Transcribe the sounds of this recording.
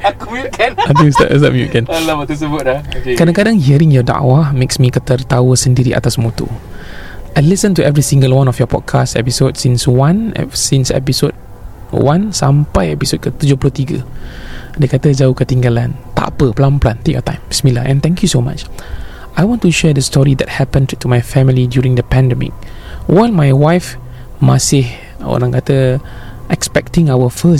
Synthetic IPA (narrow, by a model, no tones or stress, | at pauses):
akɔmjukʰɛnat̪usta̰ʔɛs̬t̪a̰ʔmjṵʔ̚kɛ̃nlaat̪us̬əbʊt̪̚akɾadãŋkadãŋɦiəɾĩŋjɔda̰ʔwameksmikət̪ərt̪awəsəndiɾiʔa̰t̪asmot̪ṵ | ʔajlisə̃ntuɛvɹisĩŋɡəlwãnɔfjɔpɔ̰d̚kʰastɛ̰pisod̚sĩnswãnɛ̰sĩnsɛ̰pisod̚ | wãnsampajɛpisot̚kət̪ud͡ʒohploht̪iɡə̰ | dekat̪əd͡ʒaukət̪ĩŋɡalãnt̪a̰pəplãnplãnt̪ekjɔt̪ãɪ̃msmilaʔɛ̃nt̪ɛ̃ŋkjusoma̰t͡ʃ | ajwɔ̃ntuʃɛdəstɔɹidɛt̚hɛpə̃ntumajfɛmilidjuɹĩŋdəpɛ̃ndɛmḭk̚ | wɔnmajwajf | masih | o̰ɾãŋkat̪ə | ʔɛkspɛk̚tĩŋawəfəs